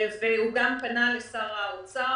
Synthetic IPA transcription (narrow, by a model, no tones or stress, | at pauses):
veuɡampanalesaʁaot͡sa